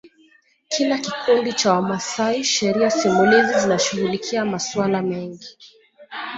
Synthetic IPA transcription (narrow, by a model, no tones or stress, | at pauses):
kʰilakikundit͡ʃawamasaiʃɛɾiasimulizizinaʃuɣulikʰiamaswalamɛŋɡi